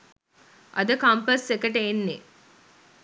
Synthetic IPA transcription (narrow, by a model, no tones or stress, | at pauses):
ʔɐd̪əkɐmpəsːekəʈeːnːe